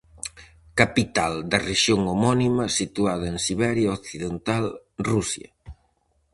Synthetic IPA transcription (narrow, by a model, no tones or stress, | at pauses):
kapit̪ald̪ɐreʃjoŋomɔnimɐsit̪uað̞ɐeŋsiβɛɾjaokθiðent̪alrusjɐ̰